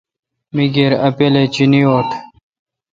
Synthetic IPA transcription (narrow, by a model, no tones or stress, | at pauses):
miɡeɾɐpelet͡ɕinioːt̪ʰ